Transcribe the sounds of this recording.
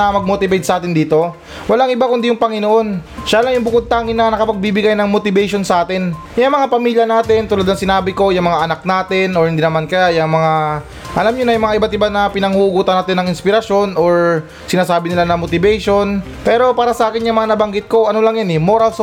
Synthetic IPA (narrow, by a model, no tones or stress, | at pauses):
ɐmɐɡ̚mot̪ɪbɛjt̪̚sɐʔaːt̪ɪnd̪iːt̪o̞ | wɐlaŋɪbakʊnd̪ijʊŋpɐŋɪnoʔo̞nʃalɐŋjʊŋbʊkod̪̚t̪aːŋɪnːɐnɐkɐpɐɡ̚bibɪɡajnɐŋmot̪ɪbɛjʃo̞nsɐʔaːt̪ɪn | jʊŋmɐŋapɐmiːljɐnaːt̪ɪnt̪ʊlɐd̪nɐŋsɪnaːbɪko̞jʊŋmɐŋaʔɐnak̚naːt̪ɪnoɹhɪnd̪inɐmankɐjajɐŋmɐŋa | ʔɐlamɲonɐjʊŋmɐŋaʔɪbat̪ɪbanɐpɪnɐŋhuʔɡuːt̪ɐnaːt̪ɪnːɐŋɪnspɪɾɐʃo̞noɹ | sɪnaːsaːbɪnɪlanɐmot̪ɪbɛjʃo̞n | pɛːɾo̞paːɾɐsɐʔaːkɪnjʊŋmɐŋanɐbɐŋɡɪt̪̚ko̞ɐno̞lɐŋjanɛmo̞ɾɐls